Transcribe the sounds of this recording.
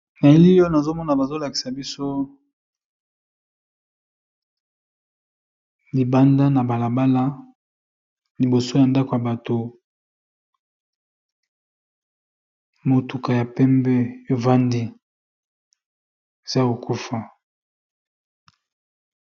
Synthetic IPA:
na˨e˦li˦o˦na˨zo˦mɔ˦na˨ba˨zo˦la˨ki̥˨sa˨bi˦so˦ | li˨ba˦nda˦na˨ba˨la˨ba˦la˦ | li˨bo˨so˦ja˨nda˦ko˨ja˨ba˨to˨ | mo˨tu˨ka˨ja˨pɛ˦mbɛ˦e˨va˦ndi˦ | e˨za˦o˨ku˦fa˨

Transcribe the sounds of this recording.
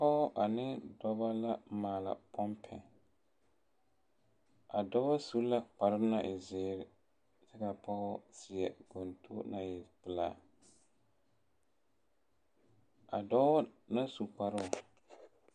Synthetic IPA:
pɔ˦ɔ˦ʔa˨nɪ˦dɔ˦ba˦la˦maː˨la̰˨pʰɔ˦mpʰɛ˨ | a˨dɔ˦a˦su˦la˦k͡pa˨ɾɪ˦na˨ʔɪ˨zɪː˦ɾɪ˦ | sɛ˦ka˨pɔ˦ɣɔ˦sɪ˨ɛ˨ɡ̥o˨n˨tʰu˦na˨jɪ˨pɨ˨laː˦˨ | a̰˨dɔ˦ɔ˦na˦su˨k͡pa˨ɾɪ˦ʊ˨

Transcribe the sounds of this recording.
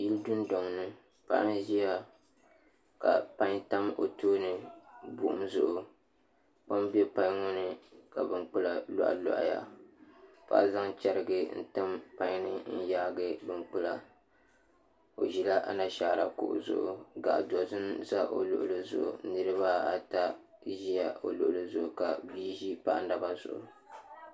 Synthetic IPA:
ji˦ldʊ˦n˦dɔ˨ŋnɨ˦ | pa̰˦ʔa˦n˦ʒi˦ja˦ | ka̰˨pa˦ɲta˦mo̰˨toː˦nɨ˨bʊ˨ʔʊ̰˦mzʊ˨ʔʊ˨ | k͡pa˦mbɛ˦pa˦ɲ˦ŋʊ˦nɨ˦ka˨bɨ˦ŋk͡pɨ˦la˨lɔ̰˦ʔa̰˨lɔ̰˨ʔa̰˨ja̰˨ | pa̰˦za˦ŋt͡ʃɛ˨ɾɨ˨ɡɨ˦n̩̰˦˨tɨ˦mpa˦ɲ˦nɨ˦n̩˦jaː˦ɡɨ˦bɨ˦ŋk͡pʊ˦la˨ | o˨ʒi˨la˦ʔa̰˨na˦ʃaː˨ɾa˨kʊ̰˨ʔʊ̰˨zʊ̰˨ʔʊ̰˨ɡa̰˨ʔdɔ˨zɨ˦nza˦ʔo˨lʊ̰˨ʔʊ˨lɨ˦zʊ̰˨ʔʊ̰˨nɨ˦ɾɨ˦βa˦a˨ta˦ | ʒi˦ja˨o˨lʊ̰˨ʔʊ˨lɨ˦zʊ˨ʔʊ˨ka˨biː˦ʒi˦pa˦ʔna˦ba˦zʊ̰˨ʔʊ̰˨

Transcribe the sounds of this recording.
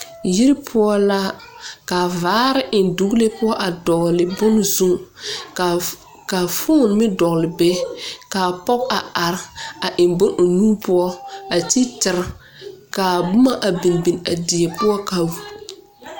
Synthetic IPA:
ji˦ɾpʰʊ˦ɔ˦la˦kaː˨vaː˨˦ɾɪ˦ʔɪ˨ndu˨ɣle˦pʊ˦ɔ˦ʔa˨dɔ˨ɣlɪ˨bʊ˦nzu˦ŋ˨ | ka˨fʊ˦˨n˨mɪ˦dɔ˨ɣlɪ˨bɛ˦kaː˨pɔ˦k̚a˨a˨ɾa˨ʔɪ˨nbʊ˦nʔo˨nuː˦pʰʊ˦ɔ˦a˨ti˦tɪ˨ɾ | ka˨bʊ˦ma˦ʔa˨bi˨nbi˨na˨di˨ɛ˨pʊ˦ɔ˦ka˨w

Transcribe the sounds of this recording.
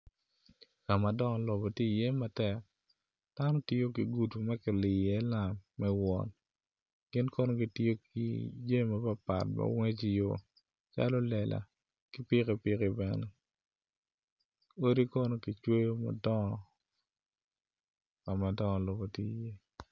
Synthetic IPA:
ka˨ma˨dɔ˦ŋɔ˨lo˨bo˨ti˦˨je˦ma˨tɛ˨k̚ | d̥a˦no˦tɪ˦jo˦ki˨ɡu˨tu˨mɛ˦kɪ˨lɪ˨ɛ˦la˨mːɛ˦wɔ̰˨n | ɡ̥ɪ˦nkɔ˦no˦ɡi˦ti˦jo˦ki˨d͡ʒe˦ma˨pa˦pa̰˨tma̰˦we˦t͡ʃi˦jo˨ | t͡ʃa̰˦lo˦lɛ˨lʔa̰˨ | kɪ˦pɪ˦kɛ˨pɪ˦ki˨bɛ˨nɛ˨ | o˦ɾi˦kɔ˦no˦ki˨t͡ʃwe˦jo˦ma̰˨dɔ˦ɔ˨ | ka˨ma˨dɔ˦ŋɔ˨lo˨bo˨ti˦˨je˦

